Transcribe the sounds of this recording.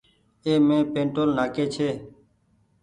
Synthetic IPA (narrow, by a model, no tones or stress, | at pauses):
eːmẽːpẽːɳʈoːlnaːkeːt͡ʃʰeː